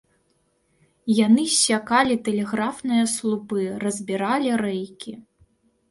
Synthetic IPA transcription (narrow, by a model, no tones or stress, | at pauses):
janɨsʲakalʲit̪ɛlʲɛɣɾafnɨjɐslˠupɨrɐzʲbʲiɾalʲiɾɛjkʲi